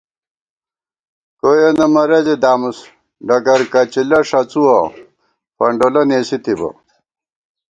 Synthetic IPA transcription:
koːjenɐmɐɾɐd͡ʑed̪aːmus | ɖɐkɐɾkɐt͡ɕilɐʂɐt͡suwɐ | pɐɳɖolɐneːsit̪ibɐ̰

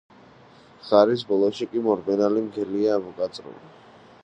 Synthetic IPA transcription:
χaɾis̬bɔlˠɔʃikʼimɔɾbɛnalimɡɛliaːmɔkʼat̪sʼɾṵli

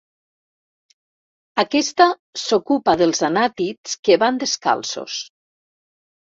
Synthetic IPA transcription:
akɛst̪a | sokupaðəlˠzanat̪it͡skeβand̪eska̰lˠso̰s

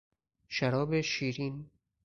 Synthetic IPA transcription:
ʃæɾɒːbeʃiːɾin

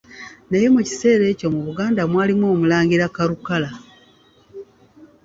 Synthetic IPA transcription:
naje̞muci̥se̞ːɾe̞ːco̞muβuɡaːndamwaːlimwo̞ːmulaːŋɟiɾakaɾukala

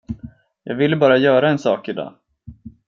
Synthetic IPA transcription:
jɑ̰ːɡvɪləbɑːɾajœːɾaɛnsɑːkɪd̪ɑ̰ː

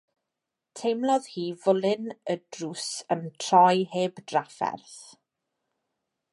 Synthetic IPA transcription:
tʰejmlˠɔð̥hiːvʊlˠɪnədrusəntʰr̥ɔjheːbd̥rafɛ̰rθ

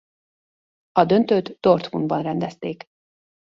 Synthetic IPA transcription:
ɒd̪ø̞nt̪øːt̪d̪̥ort̪munbɒnrɛnd̪ɛst̪eːk

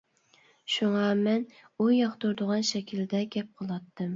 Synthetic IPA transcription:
ʃuŋɑmɛn | ujɑχt̪uɾd̪ʊʁɑnʃɛkʲʰild̪ɛɡʲɛp̚qʰəlˠɑt̪ːɨm

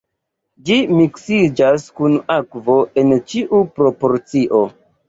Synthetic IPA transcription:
d͡ʒimiksid͡ʒaskunakvo̞ʔe̞nt͡ʃiʔupɾo̞po̞ɾt͡siʔo

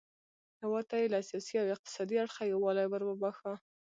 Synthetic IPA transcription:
hawɑt̪ajelasijɑsiawɪq̚t̪ɪ̥sɑd̪iaɽxajawɑlajbəɾbəbaxa

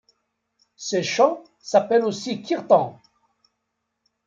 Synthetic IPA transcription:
seʃɑ̃ | sapɛlosikiʁt̪ɑ̰̃

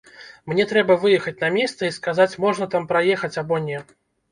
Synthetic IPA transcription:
mnʲɛt̪ɾɛbɐvɨjɛxɐt͡sʲnɐmʲɛst̪sɐiskazat͡sʲmɔʐnɐt̪ampɾajɛxɐt͡sʲabɔnʲɛ

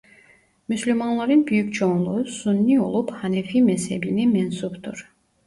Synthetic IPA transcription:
myslʲymanlˠaɾɯnbyjycʲt͡ʃʰonlˠusunːio̞̰lˠuphanefimɛshebinimɛnsupt̪ʰuɾ̥

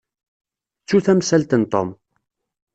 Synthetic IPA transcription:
t͡sːuθæmsælt̪ənt̪ˤom

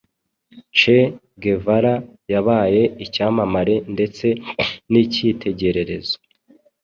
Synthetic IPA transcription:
t͡ʃe | ɡe̞vaɾajaβaːje̞icaːmamaɾe̞nde̞t͡se̞nicitʰe̞ɟe̞ɾe̞ɾe̞zo

